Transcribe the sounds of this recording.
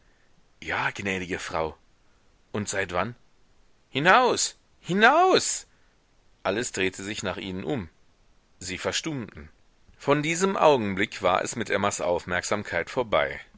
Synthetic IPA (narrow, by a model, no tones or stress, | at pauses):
jaːɡ̥nɛːɾɪɡəfʁ̥a̰ʊ | ʔʊntz̥aɪtv̥an | hinaʊs | hinaʊs | ʔaləsd̥ʁeːtʰəzɪçnaːχʔḭːnənʔʊ̰m | ziːfɛɐʃtʊntn̩ | fɔndiːzəmʔa̰ʊɡŋ̩blɪkv̥a̰ːɐʔɛ̰smɪt̚d̥eːɐmasʔa̰ʊfmɛɐkz̥aːmkʰaɪtfoːɐba̰ɪ